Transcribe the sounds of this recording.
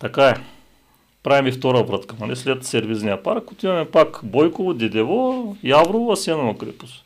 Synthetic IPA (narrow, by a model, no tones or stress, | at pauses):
t̪ɐkaɛ | pɾavimift̪ɔɾɐbɾət̪kənɐlɛslʲɛt̪sɛɾviznijɐpaɾkkut̪imɐmɛpakbɔjkovod̪ʲɛd̪ɛvojavɾovoɐsɛnovɐkɾḭpʊ̥s